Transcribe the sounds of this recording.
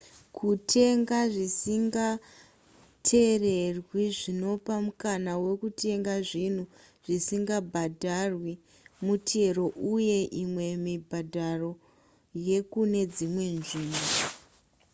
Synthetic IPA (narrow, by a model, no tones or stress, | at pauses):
kʰutʰe̞ŋɡaʐisiŋɡa | tʰe̞re̞rwiʐino̞pamukanawe̞kutʰe̞ŋɡaʐin̤u | ʐ̥isiŋɡabʱadʱarwi | mutʰe̞ɾo̞ʔuje̞ʔimwe̞mibʱadʱaro̞ | je̞kune̞d͡zimwe̞nʐiːmo